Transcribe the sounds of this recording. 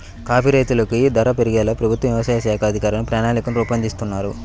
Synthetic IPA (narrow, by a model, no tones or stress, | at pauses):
kaːpʰiɾejt̪ulɐkid̪ɐɾɐpeɾiɡɛːlɐpɾɐbʱut̪ʋɐʋjɐʋɐsaːjɐʃɛːkʰɐɐd̪ʱikaːɾɐnupɾaːnaːnikɐnuɾuːpɐnd̪ist̪unːaːɾu